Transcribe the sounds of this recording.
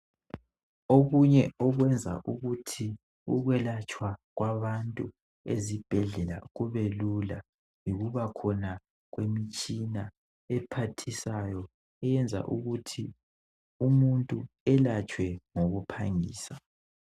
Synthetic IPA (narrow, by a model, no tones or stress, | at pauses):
oɣuɲɛɔɣwɛnd͡zʱa̰ʔuɣutʰi | ṵɣwɛlat͡ʃʼwaɣwaβantʼu | ezib̥ʱɛɮɛla̰ɣuβelula | jiɣuβakʰɔna | ɣwemit͡ʃʼina | ɛpʰatʰisajɔ | ɛjɛnd͡zʱa̰ʔuɣutʰi | umuntʼuɛlat͡ʃʼwɛŋoɣupʰaŋḭːsa